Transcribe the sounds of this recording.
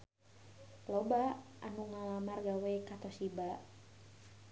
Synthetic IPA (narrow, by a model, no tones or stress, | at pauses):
lɔbaʔa̰nuŋalamarɡawɛikat̪ɔsiba